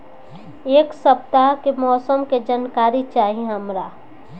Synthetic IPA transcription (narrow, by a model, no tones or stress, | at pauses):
eːksəp̚t̪akemɔːsəmked͡ʒənkaːɾit͡ʃaːɦiɦəmɾaː